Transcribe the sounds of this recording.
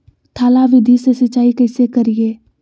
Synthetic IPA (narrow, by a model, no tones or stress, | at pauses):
t̪ʰaːlaʋɪd̪ʱisesət͡ʃːaːikɐɪsekɐɾieː